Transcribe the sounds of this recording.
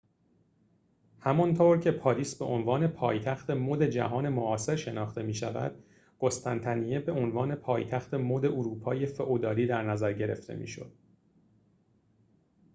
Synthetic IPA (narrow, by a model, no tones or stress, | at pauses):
hæmɒnt̪ʰoːɾcʰe̞pʰɒːɾiːsbe̞ʔonvɒːne̞pʰɒːjt̪ʰæxt̪e̞moːd̪e̞d͡ʒæ̰ɦɒːne̞moʔɒːse̞ɾʃe̞nɒːxt̪e̞miːʃævæ̰d̪̥ | ɡ̥ost̪ʰænt̪ʰænijebe̞ʔonvɒːne̞pʰɒːjt̪ʰæxt̪e̞moːd̪e̞ʔuɾuːpʰɒːje̞feʔod̪ɒːɾiːd̪æɾnæzæɾɟe̞ɾḛft̪ʰe̞̰mḭːʃo̞̰d̪̥̚